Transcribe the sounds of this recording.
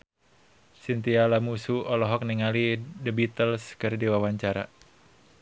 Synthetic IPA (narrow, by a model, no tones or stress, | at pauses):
sint̪ialamusuɔlɔɦɔk̚niŋalidəbit̪əlskɨrdiwawaɲt͡ʃaɾa̰